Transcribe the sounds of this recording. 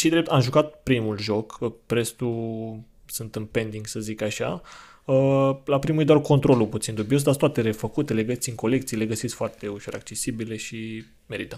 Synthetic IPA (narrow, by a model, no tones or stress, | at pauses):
ʃid̪ɾe̞p̚t̪amʒukat̪̚pɾimulʒo̞kəpɾe̞st̪u | sɨnt̪ɨnpe̞nd̪iŋɡsəzikaʃa̰ | əlapɾimujd̪oarko̞nt̪ɾo̞luput̪sind̪ubios̬d̪ast̪at̪e̞ɾe̞fəkut̪e̞le̞ɡəsit̪iŋko̞le̞kt̪sile̞ɡəsit̪kfoart̪e̞uʃo̞ɾʔak̚t͡ʃe̞sibile̞ʃi | me̞ɾit̪ə